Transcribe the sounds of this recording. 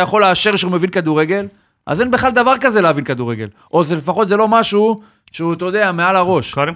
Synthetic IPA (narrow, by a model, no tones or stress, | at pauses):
jaχo̞lːeaʃeʁkʃeumevinkad̪uʁeɡe̞l | ʔa̰zenbeχlald̪avaʁkaze̞leavinkad̪uʁeɡe̞̰lʔo̞zele̞faχo̞t̪zelo̞maʃu | ʃeut̪od̪eamealaʁo̞ʃa